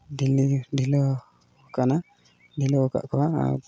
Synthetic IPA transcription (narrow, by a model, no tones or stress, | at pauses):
ɖiliɖʱilɔ | kana | ɖʱilɔka̰ʔkʰɔwaa̰